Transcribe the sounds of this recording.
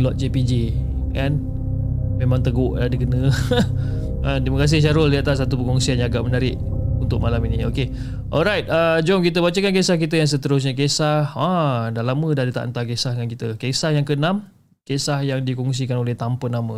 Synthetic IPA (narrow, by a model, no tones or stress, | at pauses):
lɔt̪̚d͡ʒepid͡ʒi | kan | memãŋt̪əɡʊʔladəɡənə | ətiməkas̬ɪhʃ̬aɾʊldiat̪asːat̪upəŋɔŋsianjaɡaʔmənaɾɪʔunt̪ʊk̚malaminioke | ʔɔlɾajt̪̚ad͡ʒɔmkit̪əbat͡ʃəkank̬esahkit̪əjaŋs̬ət̪əɾʊs̬ɲak̬esahadalamədadit̪a̰ʔə̰nt̪akesahdəŋankit̪əkesahjaŋkənam | kesahjaŋdikɔŋs̬ikanolɛht̪ampənamə